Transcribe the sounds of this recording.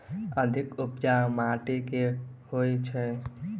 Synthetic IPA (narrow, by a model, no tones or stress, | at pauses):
əd̪ʱɪkʊpd͡ʒamaʈekehojt͡ʃʰɛ